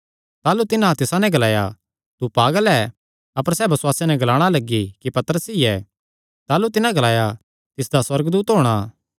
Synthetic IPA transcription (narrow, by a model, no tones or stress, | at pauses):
t̪aːlut̪ɪnãt̪ɪsãnɛ̃ɡɐlaːja̰ | t̪upaːɡəlɛ | ɐpəɾsɛːbɐswaːsenɛ̃ɡɐlaːɽ̃alɐɡːikipɐt̪əɾəsiɛ | t̪aːlut̪ɪnãɡɐlaːja | t̪ɪsd̪aswɐɾɡd̪uːt̪ɦoːɽ̃a